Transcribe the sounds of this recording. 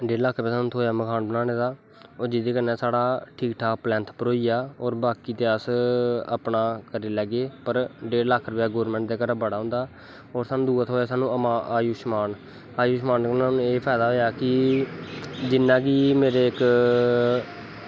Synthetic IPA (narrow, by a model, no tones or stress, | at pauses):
ɖeːɾlakʰːɾpɛːsaːnũːt̪ʰoːjaːməkʰaːnbənaːɽeːd̪aː | oːɾd͡ʒɪd̪eːkənːɛːsaːɽaːʈʰiːkʈʰaːplɛ̃ːnt̪ʰpəɾoːiːjaːoːɾbaːkiːt̪eːəsə̰pnaːkəɾiːlɛːɡeːpəɾɖeːɾlakʰɾəpjaːɡoːəɾmɛ̃ːɳʈd̪eːkəɾbəɽaːɦʊ̃nd̪aː | oːɾsaːnũːd̪uːət̪ʰɦoːjaːsaːnũːəmaːʔːjuːʃmaːn | aːjuːʃmaːnkənaːnũːeːpʰɛːd̪aːɦoːjaːkɪ | d͡ʒɪnːãːɡiːmeːɾeːɪk